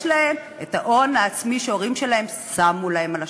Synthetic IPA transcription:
lahe̞m | etaʔo̞naːt͡smiʃeoʁimʃe̞lahe̞msamulahe̞mala

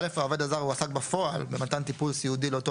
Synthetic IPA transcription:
le̞fao̞ved̪azaʁuasakbafo̞albemat̪ant̪ipulsiud̪ileot̪o

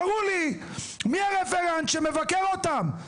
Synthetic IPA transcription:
ʁuli | miaʁefeʁant̪ʃemevakeʁot̪am

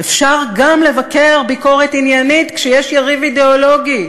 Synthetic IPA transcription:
efʃaʁɡamle̞vake̞ʁbiko̞ʁet̪injanit̪kʃejɛʃjaʁivid̪eolo̞ɡi

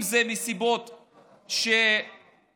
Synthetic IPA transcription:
mzemisibo̞t̪ | ʃe

